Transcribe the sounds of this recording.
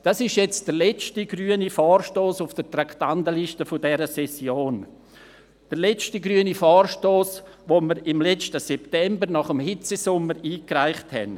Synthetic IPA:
d̥asɪʃjɛt͡sd̥əɾlɛt͡ʃtiɡryːənifaːrʃtoːsʊfd̥əɾtɾaktandəliʃtəfʊdɛɾəsɛsjoːn | d̥əɾlɛt͡ʃtiɡɾyənifaːrʃtoːs | ʋoməɾɪmlɛt͡ʃtəsɛptɛmbəɾnɑχəmhɪt͡sesʊmːəɾiːkraɪχthɛ̰n

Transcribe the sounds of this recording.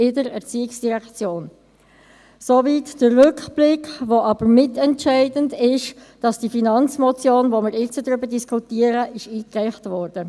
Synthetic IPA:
ɪdəɾɛʁt͡siːɪksd̥iʁɛkt͡sjoːn | sovitd̥ərʁʏkb̥lɪkʋoʔɑb̥əɾmɪtɛntt͡ʃæɪdəndɪʃd̥ɑsd̥ifinɑnt͡smot͡sjoːnvomɪɾɪt͡sədʁʏbədiskʰutiəɾəʔɪʃiːkʁɛɪχtvɔɾd̥ə

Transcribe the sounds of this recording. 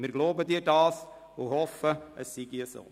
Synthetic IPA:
mɪɾɡloːbədiədɑːs | ohɔfəʔəsːiɡiəso̰ː

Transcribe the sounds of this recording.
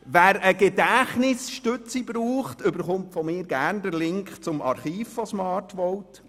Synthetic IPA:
ʋæːɾəɡɛdæχnɪsʃtøt͡sibɾuːχtʏbəɾχʊmtfɔmɪːɾɡæːɾnd̪əɾlɪŋkχt͡sʊmɑ̰ɾχiːfɔsmɑːɾtʋɔwt

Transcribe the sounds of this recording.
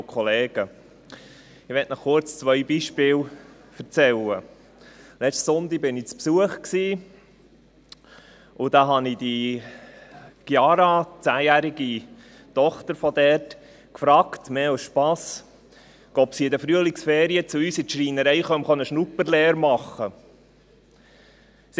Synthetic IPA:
kʰχɔleːɡ̥ə | ɪʋɛtnɔχkʊɾt͡st͡sʋœjbiʃpɪːl | fəɾt͡sɛlːə | lɛt͡ʃtsʊnd̪ibɪnit͡spsuəχksiː | ʔʊd̥̪ɑɦɑnid̥̪i | ɡ̥jɑːɾɑt͡sæːjæɾiɡ̥i | tɔχt̪əɾfɔd̪ɛɾt | kfɾɑːktmeːasʃpɑs | ɡ̥ɔpsiɪd̪əfɾyəlɪksfeːɾiət͡sʊyːsɪtʃɾiːnəɾɛɪχœmχɔnəʃnupəɾleːɾmɑχə | s

